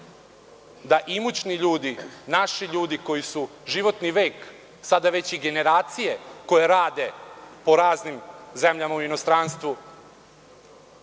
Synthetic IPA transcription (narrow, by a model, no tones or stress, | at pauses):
d̪aʔimut͡ɕniʎuːd̪inaʃiʎuːd̪iko̞jisu | ʒiʋo̞t̪niʋeːk | sad̪aʋet͡ɕiɡe̞ne̞ɾaːt̪sije̞ko̞jeɾaːd̪e̞po̞ɾaːznimzemʎamauino̞st̪ɾaːnst̪ʋu